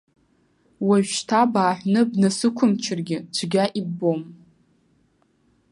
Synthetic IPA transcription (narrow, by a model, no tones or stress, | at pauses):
waʒᶣʃtʰabaːħʷnɨbnasɨkʷʰʊmt͡ʃʰɪrɡʲɪd͡ʒʷʰɡʲaʔibom